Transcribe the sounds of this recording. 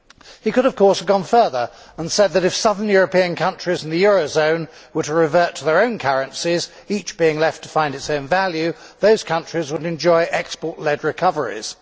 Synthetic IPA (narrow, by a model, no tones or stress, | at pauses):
hikʊɾəv̥kʰɔɹsəvɡɒ̃nfɜ˞ðə˞ | ə̃nsɛd̪̚ðɨɾɨfsʌðə̃njʊɹəpiɨ̃nkʰʌ̃nt͡ʃɹ̥izn̩ðɨjʊɹoʊzõʊ̃nwə˞ɾəɹɨvɜ˞tʰəðə˞õʊ̃nkʰʌɹɨ̃nsiz | it͡ʃb̥iɪ̃ŋlɛftʰə̥fãɪ̃ndɨtsõʊ̃nvælˠjʉðoʊz̥kʰʌ̃nt͡ʃɹ̥izwəɾɨ̃nd͡ʒɔɪʔɛkspɔɹʔˡlɛdɹɨkʰʌvə˞ḭz̥